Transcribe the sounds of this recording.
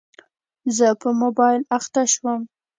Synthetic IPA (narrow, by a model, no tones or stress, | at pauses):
zəpəmobɑjɪlaxt̪aʃwəm